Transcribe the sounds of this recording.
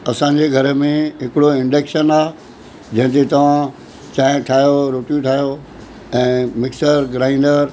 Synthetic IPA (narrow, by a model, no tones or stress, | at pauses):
ɐsãɲd͡ʑeɡʱɐɾəmẽɦɪkɪɽoɪ̃ɳɖeːkʃənaː | d͡ʑɐ̃ɦɪ̃t̪et̪ɐʋ̤ã | t͡ɕaːɪ̃ʈʰaːjoɾoːʈjũʈʰaːjo | ɛ̃ːmɪksəɾɡɾaːɪ̃ɳɖəɾ